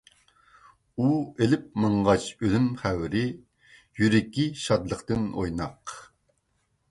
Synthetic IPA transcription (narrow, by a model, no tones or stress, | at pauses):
uelɪp̚mɑɴʁɑt͡ʃølymχæwɾɪ | jyɾɪkʲiʃɑd̪lˠəqt̪ɨno̰jnɑq